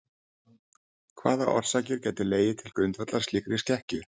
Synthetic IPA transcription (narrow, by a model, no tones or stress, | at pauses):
kʰvaːðaʔɔ̰r̥saːcɪɾ̥cɛːjt̪ɪleːjɪt̪ʰɪlkɾʏnt̪vat̪laɾ̥st̪liːkɾɪscɛhcʏ̥